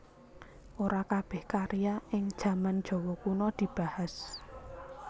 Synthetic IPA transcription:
ʔoɾakab̥ɛ̤hkaɾijaʔɪŋd̥ʒ̥ä̤mand̥ʒ̥ɔ̤wɔkunɔd̪̥i̤b̥a̤has

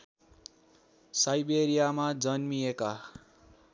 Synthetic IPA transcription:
sajbeɾijamad͡zʌnmieka

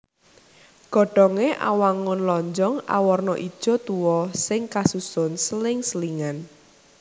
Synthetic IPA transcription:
ɡ̥ɔ̤ɖ̥ɔŋeʔa̰waŋʊnlɔɲd͡ʒɔŋa̰wɔrnɔʔid̥ʒ̥ɔ̤t̪uwɔsɪŋkasusʊnsəlɪŋsəliŋan

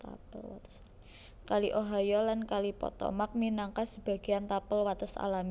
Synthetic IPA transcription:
t̪a̰pəla | kaliʔoɦajɔlankalipɔ̰t̪ɔ̰mak̚minaŋkasəb̥a̤ɡ̥i̤ant̪apəlwat̪əsa̰lami

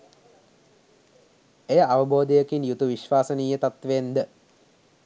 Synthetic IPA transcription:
ejəʔaʋəboːd̪əjəkinjut̪uʋiʃʋaːsəniːjət̪at̪ʋend̪ə

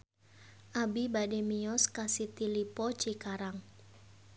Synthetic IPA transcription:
ʔabibademiɔskasit̪ilipɔt͡ʃikaɾaŋ

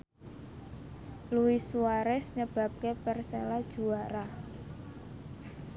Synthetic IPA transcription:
luwisuwaɾɛsɲəb̥a̤p̚kepɛrselad̥ʒ̥ṳwaɾa

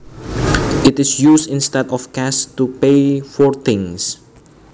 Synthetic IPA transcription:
ɪtɪsjusɪ̃nstɛdɔfkastupefɔɹt̪ɪ̃ŋs

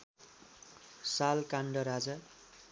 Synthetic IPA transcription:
salkaɳɖʌɾad͡za

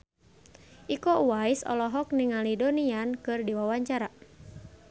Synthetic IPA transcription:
ʔikɔwaisɔ̰lɔɦɔk̚niŋalidɔniankɨrdiwawaɲt͡ʃaɾa

